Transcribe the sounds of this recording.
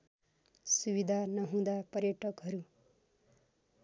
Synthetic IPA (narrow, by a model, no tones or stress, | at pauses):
subid̪ʱanʌɦũd̪apʌrjʌʈʌkɦʌɾu